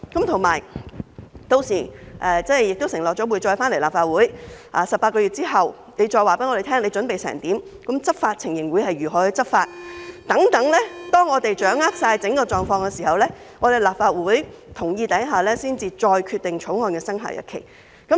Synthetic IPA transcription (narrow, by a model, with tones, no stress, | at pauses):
kɐ˨˥mt̪ʰʊ˨˩ŋma̰ː˨˩j | t̪o˧wsiː˨˩ʔɛː˨˧t͡sɐ˥n˨jɪ˨k̚t̪o˥wsɪ˨˩ŋlɔː˨k̚t͡ʃɔː˨˥wuː˨˧jt͡ʃɔː˧jfaː˥nle˨˩laː˨˩pfaː˧t̚wuː˨˥jʔaː˨˩sɐ˨paː˧tkɔː˧ɥyː˨t̚t͡siː˥ɦɐ˨w | ne˨˧jt͡ʃɔː˧jwaː˨˩pe˨˥ŋɔ˨˧e˨˩t̪ʰɛː˥ŋle˨˧jt͡ʃɵ˨˥npe˨jsɛ̰ː˨˩ŋt̪iː˨˥m | kɐ˨˥mt͡sɐ˥t̚faː˧t̚t͡sʰɪ˨˩ŋjɪ˨˩ŋwuː˨˥jɦɐ˨jyː˨˩ɦɔː˨˥ɵ˧jt͡sɐ˥t̚faː˧t̚t̪ɐ˨˥ŋt̪ɐ˨˥ŋlɛː˥t̪ɔː˥ŋːɔː˨˧t̪e˨jt͡ʃœː˨˥ŋaː˥k̚saː˧jt͡sɪ˨˥ŋkɔː˧t͡sɔː˨ŋfɔː˧ŋkɛː˧siː˨˩hɐ˨wlɛː˥ | ŋɔː˨˧t̪e˨jlaː˨p̚faː˧t̚wuː˨˥jt̪ʰʊ˨˩ŋjiː˧t̪ɐ˨˥jɦaː˨lɛː˥siː˥nt͡siː˨t͡ʃɔː˧jkʰyː˧t̪̚ɪ˨ŋt͡ʃʰʊ˨˥wŋɔː˧nkɛː˧sɐ˥ŋɦa̰ː˨˥jɐ̰˥tkʰḛ˨˩j | kɐ˨˥